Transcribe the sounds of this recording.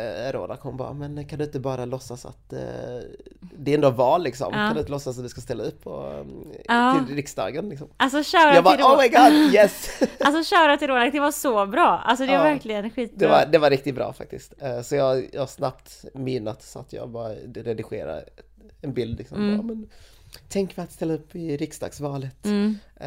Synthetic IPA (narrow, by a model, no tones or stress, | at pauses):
ɛɾo̰ːd̪akhɔmbɑ̰ːɾamɛnkʰand̪ɵɪnt̪əbɑːɾalɔsːasa̰t̪ | d̪ɛɾɛnd̪oːvɑːlːɪksɔ̰mʰːand̪ɪnt̪əlɔsːasat̪d̪ɵskast̪ɛlːaɵp̪ʰːɔ̰ | ɪllɾɪksd̪ɑ̰ːɡənlɪksɔmals̬ɔɕaʊɾajɑːbaoʊmaɪɡɑd̪jɛsalsɔɕaʊɾat̪ʰɪlɾoːd̪ak̚d̪ɛvasɔbɾɑːʔa̰lsɔd̪ɛaɾvæɾklɪɡənɧiːt̪d̪ɛvaɾd̪ɛvaɾɪk̚t̪ɪt̪̚bɾɑ̰ːfa̰k̚t̪ɪskt̪sɔjɑːɡjsnapt̪mɪnːat̪sɔa̰t̪ʰjɑ̰ːɡbɑːɾaɾɛd̪ɪɧḛːɾa̰ | ɛnbɪld̪lɪksɔ̰mːmɛn | t̪ʰɛŋkmɛjat̪st̪ɛlːaɵpːɪɾɪksd̪ɑ̰ːɡ̥svɑːlət̪ː